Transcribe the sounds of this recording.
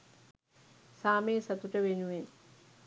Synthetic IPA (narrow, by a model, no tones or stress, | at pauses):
saːmeːsat̪uʈəʋenuʋen